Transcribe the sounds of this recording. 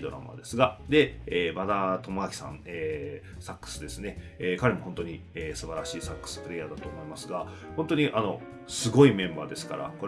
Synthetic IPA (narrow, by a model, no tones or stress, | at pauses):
d̪o̞ɾa̰ma̰d̪e̞sɨɡad̪e̞eːmad̪at̪o̞moakʲi̥sã̰neːsakːɯ̥sɨd̪e̞sɨne̞ | eːkaɾe̞mo̞hõ̞nt̪oɲ̟i | eːsɨbaɾaɕiːsakːɯ̥sɨ̥pɯ̟ɾe̞ːjaːd̪at̪o̞ːmo̞imasɨɡa | hont̪o̞ɲ̟iʔano̞ | sɨɡo̞imẽ̞mba̰ːd̪e̞sɨ̥kaɾa̰ko